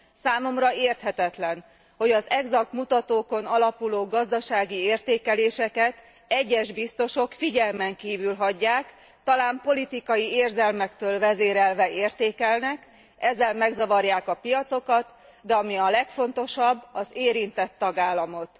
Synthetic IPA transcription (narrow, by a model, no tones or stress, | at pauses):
saːmo̞mrɒeːrt̪hɛt̪ɛt̪lɛn | ho̞ɟɒzɛɡzɒkmut̪ɒt̪oːko̞nɒlɒpuloːɡɒzd̪ɒʃaːɡieːrt̪eːkɛleːʃɛkɛt̪ | ɛɟːɛʒbist̪o̞ʃo̞kfiɟɛlmɛŋkiːvylɦɒɟːaːk | t̪ɒlaːmpo̞lit̪ikɒjieːrzɛlmɛkt̪øːlvɛzeːɾɛlvɛeːrt̪eːkɛlnɛk | ɛzːɛlmɛɡzɒvɒrjaːkɒpijɒt̪so̞kɒt̪ | d̪ɛɒmiɒlɛkfo̞nt̪o̞ʃɒbːɒzeːɾint̪ɛt̪ːɒɡaːlːɒmo̞t̪